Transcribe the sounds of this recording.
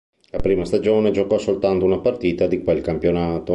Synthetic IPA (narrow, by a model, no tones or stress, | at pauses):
lapɾiːmast̪ad͡ʒoːned͡ʒokɔsolt̪ant̪ounapart̪iːt̪ad̪ikwelkampjonaːt̪o